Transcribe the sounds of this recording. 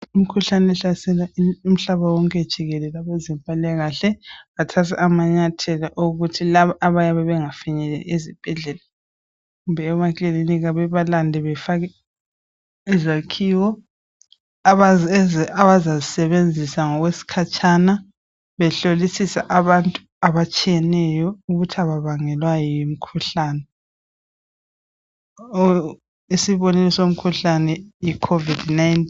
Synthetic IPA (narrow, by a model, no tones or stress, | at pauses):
um̩kʰuɬanɛɛɬasɛlaium̩ɬaβawɔŋkʼɛd̥ʒ̥ʱiɣɛlɛlaβɛzɛmpʼalɛɣaɬɛatʰas̬ʰaʔamaɲatʰɛlaʔoɣutʰilaβaʔaβajaβɛβɛŋafiɲɛlɛezib̥ʱɛɮɛla | ɣumbɛːβakʼeliniɣaβɛβalandʱɛβɛfaɣɛ | ɛzakʰiwɔ | aβazazisɛβend͡zʱisaŋɔɣwesi̥kʰat͡ʃʼʰana | βɛɬolisisa̰ʔaβantʼu̥ | aβat͡ʃʼijɛnɛjɔuɣutʰaβaβaŋɛlwajɔjimikʰuɬaːnɛ | isiβɔnɛlɔsom̩kʰuɬanɛjikʰovidnajnt